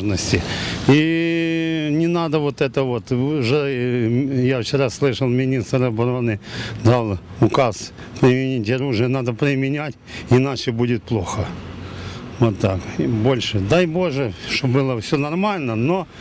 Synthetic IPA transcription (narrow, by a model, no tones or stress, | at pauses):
ʐnəsʲtʲɪi | nʲɪnad̪əvo̞t̪ɛt̪əʋo̞t̪ʐɛ | jaft͡ɕɪɾaslˠɨʂəlˠmʲɪnʲist̪rɐbɐɾo̞nɨd̪alˠʊkas | pɾʲɪmʲɪnʲitʲɐɾuʐɨjənad̪əpɾʲɪmʲɪnʲætʲɪnat͡ɕɪbudʲɪt̪̚plˠo̞xə | vot̪ːakbo̞lʲʂɨd̪ajbo̞ʐɨʂt̪obɨlˠəfsʲonɐrmalʲnəno